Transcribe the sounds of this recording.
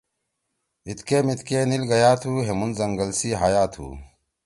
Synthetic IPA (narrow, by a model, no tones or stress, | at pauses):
it̪keːmit̪keːnilɡɐjaːt̪ʰuːɦemunzɐŋɡɐlsiːɦaːjaːt̪ʰṵː